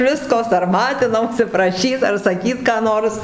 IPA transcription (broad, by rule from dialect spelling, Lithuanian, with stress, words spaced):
ˈʋʲɪskoː sɐrˈmɑːtʲɪnɐʊsʲɪ prɐˈʃʲiːt ɐr sɐˈkʲiːt kɑː ˈnoːrs